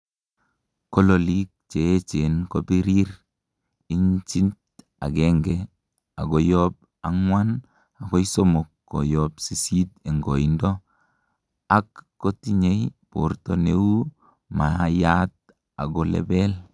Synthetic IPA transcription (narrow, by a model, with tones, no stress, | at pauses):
kɔ˦lo˨li˦k̚t͡ʃe˨˦t͡ʃe˨nko˦bi˦ɾi˦ɾ | i˦ɲt͡ʃi˦nt | a̰˨ɡɛ˦ŋɡɛ | a˨ɡɔ˨jɔp̚ | a˦ŋwa˦n | a˨ko˦iso˦mo˨kːɔ̰˨jɔpsi˨si˦te˨ŋɡo˨i˨ndɔ˦ | a˦kː | o˦ti˦ɲe˦jpo̰˨ɾto˨ne˦wu˦ | ma˨ja˦t̚ | a̰˨ɡɔ˨lɛ̰˦bɛ˦l